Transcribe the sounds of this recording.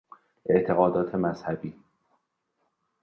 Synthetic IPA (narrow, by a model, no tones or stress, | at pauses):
ʔe̞ʔt̪ʰe̞ɣɒːd̪ɒːt̪ʰe̞mæz̥hæbiː